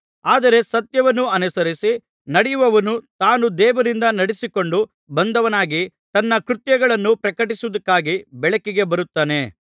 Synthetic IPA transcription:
aːd̪ɐɾe̞sɐt̪jɐʋɐnːuɐnusɐɾisi | nɐɽɛjuʋɐʋɐnut̪aːnud̪ɛːʋɐɾind̪ɐnɐɽisiko̞ɳɖu | bɐnd̪ɐʋɐnaːɡi | t̪ɐnːɐkɾut̪jɐɡɐɭɐnːupɾɐkɐʈisuʋɐd̪ɐkːaːɡibɛɭɐkːiɡe̞bɐɾut̪ːaːne̞

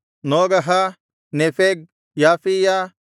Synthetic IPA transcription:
noːɡɐɦa | nefeɡ̚ | jaːfija

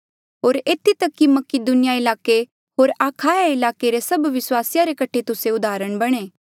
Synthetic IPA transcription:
ɦoːɾeːt̪ʰit̪ɐkːimɐkɪd̪ʊnɪjaɪlaːke | ɦoːɾaːkʰaːjaɪlaːkeɾesɐbʋɪswaːsɪjaɾekɐʈʰet̪ʊseʊd̪ʱaːɾəɽ̃bɐɽ̃eː

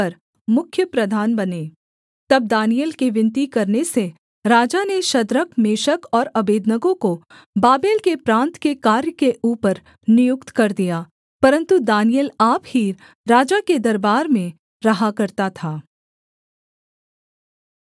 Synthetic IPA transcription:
ɐɾ | mʊkʰːjəpɾɐd̪ʱaːnbɐneː | t̪ɐb̚d̪aːnijəlkeʋɪ̃nt̪ikɐɾnese | ɾaːd͡ʒaneʃɐd̪ɾəkmeːʃəkɔːɾɐbeːd̪nəɡõko | baːbeːlkepɾãːnt̪kekaːɾjəkeʔuːpəɾ | nɪjʊkt̪kɐɾd̪ijaː | pɐɾə̃nt̪ud̪aːnijəlaːphi | ɾaːd͡ʒaked̪ɐɾbaːɾmẽ | ɾɐɦakɐɾt̪at̪ʰaː

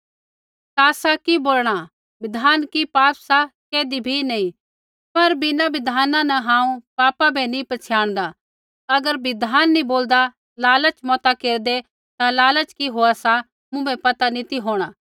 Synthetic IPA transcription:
t̪aːsakiboːlɽ̃a | bɪd̪ʱaːnkipaːpsakeːd̪ibʱinɐĩ | pɐɾbɪnabɪd̪ʱaːnãnɐɦãːũpaːpabʱɛnĩpɐt͡ʃʰjaːɽ̃d̪a | ɐɡəɾbɪd̪ʱaːnːĩboːld̪a | laːlət͡ʃmɔːt̪akeːɾd̪e | t̪ãlaːlət͡ʃkiɦoasa | mʊ̃bɛpɐt̪anit̪iɦoːɽ̃aː

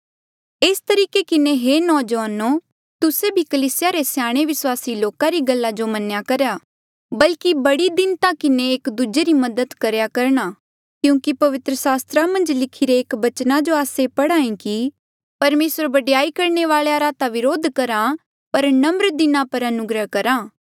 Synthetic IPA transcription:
eːst̪ɐɾiːkekɪnẽɦenɔːd͡ʒʋaːnoː | t̪ʊsebʱikəliːsɪjaɾesjaːɽ̃eʋɪswaːsiloːkãɾiɡɐlːad͡ʒomɐnjakɐɾjaː | bɐlkibɐɽid̪ɪnt̪ãkɪnẽːkd̪ud͡ʒeɾimɐd̪ət̪kɐɾjakɐɾɽ̃aː | kjũːkipɐʋɪt̪ɾəsaːst̪ɾamɐ̃nd͡ʒlɪkʰiɾeːkbɐt͡ʃnad͡ʒoaːsepɐɽaːĩki | pɐɾmeːsəɾbɐɖjaːikɐɾneʋaːɭejaɾaːt̪aʋɪɾoːd̪ʱkɐɾã | pɐɾnɐmɾd̪ɪnãpɐɾɐnʊɡɾəɦkɐɾaː

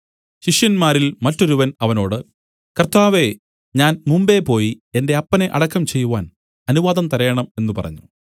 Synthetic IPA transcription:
ɕiʂjɐnmaːɾilmɐtːo̞ɾuʋɐnɐʋɐno̞ːɽɨ | kɐrt̪aːʋe̞ | ɲaːnmumbe̞po̞ːjie̞nde̞ɐpːɐne̞ʔɐ̰ɽɐkːɐmt͡ɕe̞jːuʋaːn | ɐnuʋaːdðɐmt̪ɐɾɐjɐɳɐme̞nːupɐ̰rɐ̰ɲːu

